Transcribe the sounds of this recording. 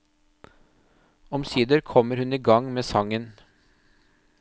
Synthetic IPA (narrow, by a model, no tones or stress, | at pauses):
ɔmsiːd̪əɾkʰɔməɾhʉniːɡɑŋmeːsɑŋən